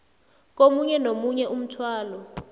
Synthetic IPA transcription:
k̬omuɲɛnomuɲɛʔum̩tʰwaːlɔ

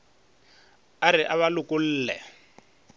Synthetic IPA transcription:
aɾɪʔaβalʊkʊl̩ːlɛ̰

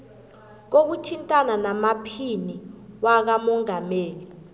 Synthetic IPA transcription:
k̬ok̬utʰintʼananamapʰiniwak̬amɔŋameːli

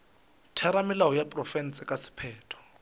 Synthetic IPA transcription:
tʰɛɾamɪlaɔjapʼrɔfɛn̩sʼɪkʼasɪ̥pʰɛːtʰɔ̥

